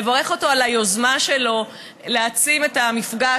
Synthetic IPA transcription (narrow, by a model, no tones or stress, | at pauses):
evaʁe̞χo̞to̞alajozmaʃelo̞ | leat͡sime̞tamifɡa